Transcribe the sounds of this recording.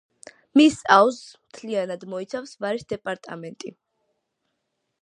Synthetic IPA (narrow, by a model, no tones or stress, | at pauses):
misawzmt̪ʰlianad̪mɔit̪sʰafsvaɾisd̪ɛpʼaɾt̪ʼa̰mɛnt̪ʼḭ